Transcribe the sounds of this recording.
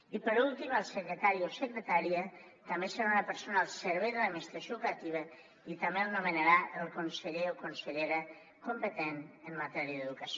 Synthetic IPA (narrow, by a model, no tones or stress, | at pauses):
ipəɾulˠt̪iməlˠsəkɾət̪aɾiosəkɾət̪aɾiə | t̪ambesəɾaunapəɾsonaːlˠsəɾβ̞ɛjðəlamist̪ɾasjokat̪iβ̞ə | it̪amelnumənaɾaəlˠkonsəʎeokonsəʎeɾə | kompət̪enəmːat̪ɛɾiəðəðukas